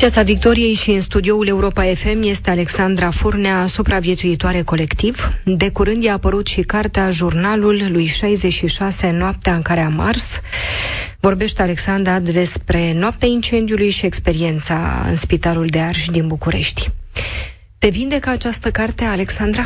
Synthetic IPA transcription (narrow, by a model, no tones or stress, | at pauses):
pjat̪savik̚t̪o̞ɾije̞jʃiɨnst̪ud̪io̞ule̞uɾo̞pae̞fe̞mje̞st̪e̞ale̞ksand̪ɾafurneasupɾavje̞t̪suit̪oaɾe̞ko̞le̞kt̪ivd̪e̞kuɾɨnd̪jeːpəɾut̪ʃikart̪eaʒurnalulːujʃajze̞t͡ʃʃiʃase̞noap̚t̪eaɨŋkaɾe̞ama̰rs | vo̞rbe̞ʃt̪eale̞ksand̪ɾad̪e̞spɾe̞noap̚t̪eaint͡ʃe̞nd̪iulujʃie̞kspe̞ɾie̞nt̪sa̰ɨ̰nspit̪aluld̪e̞arʃd̪inbukuɾe̞̰ʃt̪ʲ | t̪e̞vind̪e̞kəat͡ʃast̪əkart̪eale̞ksand̪ɾa